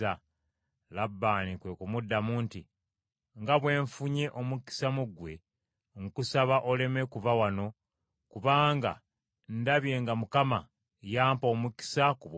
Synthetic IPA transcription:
a | labːaːnikwe̞kumudːamuːnti | ŋɡaβwe̞ːɱfuɲe̞ʔo̞muki̥samuɡwe̞ | ŋkusaβaʔo̞le̞mekuvawano̞ | kuβaːŋɡa̰ | ndaβje̞ːŋɡamukama | jaːmpo̞ːmuki̥sakuβ

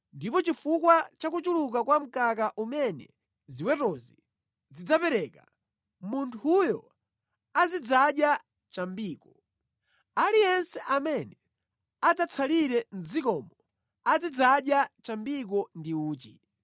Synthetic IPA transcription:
ndipɔt͡ʃifukwat͡ʃakut͡ʃuluk̬akwam̩kakaʔumɛnɛ̰ | ziwɛtɔzi | zid͡zapɛɾɛka̰ | muntʰujɔ | azid͡zaɗja | t͡ʃambiːkɔ | alijɛnsɛʔamɛnɛ | ad͡zat͡sʰaliɾɛn̩zikɔmɔ | ad͡zid͡zaɗjat͡ʃambik̬ɔndiuːt͡ʃi

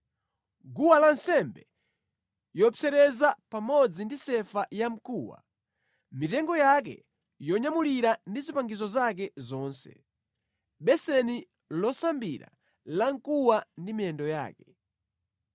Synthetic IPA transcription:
ɡuwalansɛmbɛ | jɔpt͡sɛɾɛzapamɔd͡zindisɛfajam̩kuːwa̰ | mitɛŋɡɔjak̬ɛ̰ | jɔɲamuliɾandizipaŋɡizɔzak̬ɛzɔːnsɛ̰ | ɓɛsɛni | lɔsambiɾa̰ | laŋkuwandimiɛndɔja̰ːkɛ

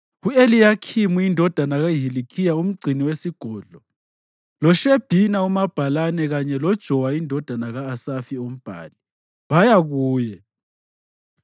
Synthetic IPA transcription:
ɣuelijakʰimuindʱɔd̥ʱanaɣaɦilikʰijaum̩ɡ͡ǀʱiniwesiɡ̥ʱɔːɮɔ | lɔʃeb̥ʱinaumab̥ʱalanɛɣaɲɛlɔd̥ʒ̥ʱɔwaindʱɔd̥ʱanaɣaːsafiom̩b̥ʱa̰ːli | βajaɣuːjɛ

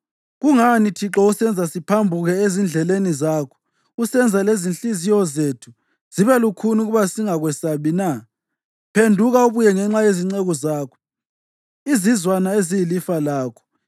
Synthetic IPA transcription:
ɣuŋanitʰiǁɔusɛnd͡zʱasipʰambʱuɣɛezind͡ɮʱɛlenizaːkʰɔ̥ | usɛnd͡zʱalezinɬizijɔzeːtʰu̥ | z̥iβɛlukʰunuɣuβasiŋaɣwɛsaβina | pʰendʱuɣauβujɛŋɛŋ͡ǁajeziŋ͡ǀɛɣɔzaːkʰɔ̥ | izizwanaezijilifalaːkʰɔ̥

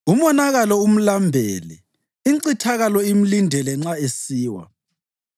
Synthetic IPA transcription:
umɔnaɣalɔum̩lambʱeːlɛ̰ | iǀitʰaɣalɔim̩lindʱɛlɛŋ͡ǁaesiːwa̰

